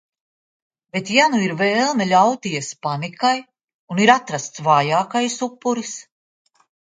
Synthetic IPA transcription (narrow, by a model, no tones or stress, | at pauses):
be̞t̪januiɾvɛːlˠnalʲawt̪ijɛspanikaj | uniɾat̪ɾast̪svaːjaːkajsupːuɾis